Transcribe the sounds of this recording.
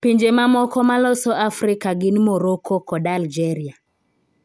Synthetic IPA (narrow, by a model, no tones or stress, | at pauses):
piɲd͡ʒemamɔkɔmalɔsɔʔafɾɪkaɡɪnmoɾokʰɔkɔdald͡ʒɛɾia